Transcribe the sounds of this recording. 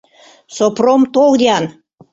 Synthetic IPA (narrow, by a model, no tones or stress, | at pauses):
sopromt̪old̪ʲeɑn